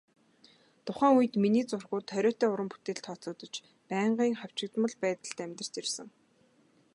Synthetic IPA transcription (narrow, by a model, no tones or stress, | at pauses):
t̪ʊχæːŋujɘ̆t̪miniːt͡sʊrɣʊːt̪χœɾʲɔːt̪eːʊɾə̆mpu̥t̪eːɬt̪χɔt͡sʊːt̪ə̆t͡ɕ | pæːɴɢiːŋχaw̥t͡ɕɪ̆kt̪mə̆ɮpæːt̪ə̆ɬt̪æmʲt̪ə̥̆t͡ɕirsə̆ŋ